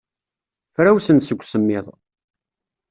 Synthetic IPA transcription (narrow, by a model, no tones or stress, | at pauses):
fɾæwsənt̪səɡʷːsəmːɪðˤ